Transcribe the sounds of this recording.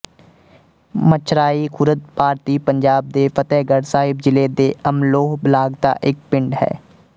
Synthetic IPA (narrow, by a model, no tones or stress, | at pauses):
mət͡ʃʰɾaːiːkʰʊɾət̪̚paːɾt̪iːpəɲd͡ʒaːb̚d̪eːpʰət̪ɛːɡəɽsaːɦɪb̚d͡ʒɪleːd̪eːəmloːɦblaːɡt̪a̰ːʔɪk̚pɪ̃ɳɖɦɛ̰ː